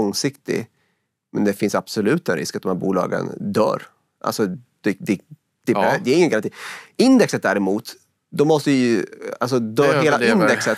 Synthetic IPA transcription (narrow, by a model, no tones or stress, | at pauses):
ɔŋsɪkt̪ɪ̰ | mɛnd̪ɛfɪnsab̥sɔlʉ̟ːt̪ɛnɾɪ̰skat̪̚ɔmhæːɾbuːlɑ̰ːɡə̰nd̪œ̰ːɾ | ʔa̰lsɔd̪̥ɛd̪ɛ | d̪̥ɛd̪ɛɾɪŋːənkʰaniːɪnd̪ɛksət̪̚d̪æːɾɛmuːt̪ | d̪ɔmɔst̪əɪjals̬ɔd̪œːɾɦeːlaɪnd̪ɛksət̪